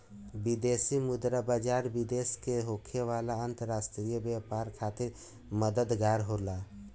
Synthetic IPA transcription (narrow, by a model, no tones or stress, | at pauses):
bid̪eːsimʊd̪ɾabaːd͡ʒaːɾbid̪eːskeɦoːkʰeʋaːlaənt̪əɾaːsʈɾijəbjapaːɾkʰaːt̪ɪɾ | məd̪əd̪ɡaːɾɦolaː